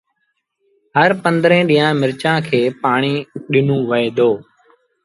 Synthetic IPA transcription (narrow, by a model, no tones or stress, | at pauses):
ɦəɾpə̃nd̪ɾẽːɗĩːãːmɪɾt͡ʃãːkʰeːpaːɳiːɗɪnũːʋəeːd̪ʱoː